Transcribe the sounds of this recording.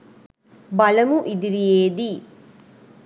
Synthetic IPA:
bɐlɐmuʔid̪iɾijeːd̪i

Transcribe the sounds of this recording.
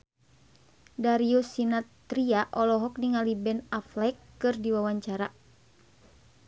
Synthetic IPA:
daɾiusinat̪ɾiaʔɔlɔɦɔk̚niŋalibɛnaflɛkːɨrdiwawaɲt͡ʃaɾa

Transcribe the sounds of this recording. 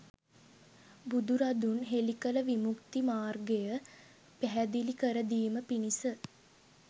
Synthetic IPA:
bud̪uɾad̪unɦelikələʋimukt̪imaːrɡejə | pæɦæd̪ilikəɾəd̪iːməpinisə

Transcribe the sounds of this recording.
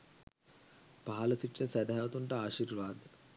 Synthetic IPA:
paɦɐləsiʈːəsæd̪ɦaʋət̪uɳʈəaːʃiːrʋaːd̪ə

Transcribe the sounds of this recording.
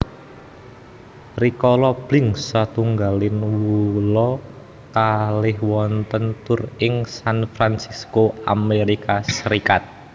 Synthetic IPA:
rikɔlɔb̥lɪ̤ŋsat̪uŋɡalɪnwwulɔ | kalɪhwɔnt̪ənt̪ʊrɪŋsanfɾansiskoameɾikasəɾikat̪̚

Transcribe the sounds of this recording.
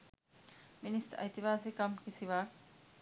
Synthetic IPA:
ministɐ̰jt̪iʋaːsikɐmkisiʋa

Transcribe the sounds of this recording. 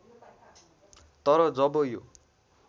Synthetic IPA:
t̪ʌɾʌd͡zʌbʌjo

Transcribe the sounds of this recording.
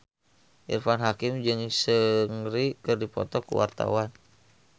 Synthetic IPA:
ʔḭrfanɦakɪmd͡ʒɨŋsəŋrikɨrdipɔ̰t̪ɔkṵwa̰rt̪a̰wan

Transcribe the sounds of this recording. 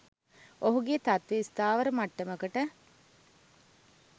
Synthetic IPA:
oɦuɡet̪at̪ʋeːst̪aːʋəɾəmaʈːəməkəʈə

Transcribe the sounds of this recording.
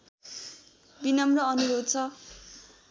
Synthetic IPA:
binʌmrʌʌnuɾod̪̚t͡sʰʌ

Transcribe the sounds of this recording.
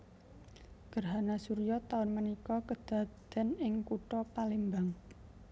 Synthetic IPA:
ɡ̥ərɦanasuɾijɔt̪aʊnmənikɔkəd̪̥a̤d̪̥ɛ̤nɪŋkuʈɔpalimbaŋ

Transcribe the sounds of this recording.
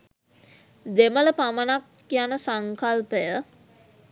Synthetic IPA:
d̪emələpamənakːijanəsaŋkalpəjə

